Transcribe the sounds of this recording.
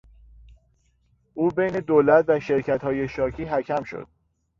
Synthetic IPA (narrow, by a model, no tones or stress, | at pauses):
ʔuːbejne̞d̪oːlæt̪ʰvæʃe̞ɾcʰæt̪hɒːje̞ʃɒːcʰiːɦæcʰæmʃo̰d̪̥̚